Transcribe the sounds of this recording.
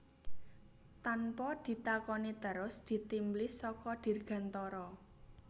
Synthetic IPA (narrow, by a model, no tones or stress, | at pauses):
t̪anpɔd̪̥i̤t̪akɔnit̪əɾʊsd̪̥i̤t̪imblɪsɔkɔɖ̥i̤rɡ̥a̤nt̪ɔɾɔ